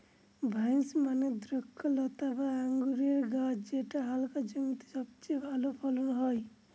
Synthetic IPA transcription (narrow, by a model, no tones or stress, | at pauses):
bʱajnsmaned̪ɾukʰːɔlɔt̪abaaŋɡuɾieɾɡat͡ʃd͡ʒeʈaɦalkad͡ʒəŋt̪i̥sʌb̚t͡ʃebʱalopʰɔlɔnɦɔj